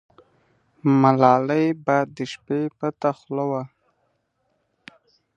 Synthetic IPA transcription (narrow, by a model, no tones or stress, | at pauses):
malɑləjbajd̪ːəʃpepət̪axləwa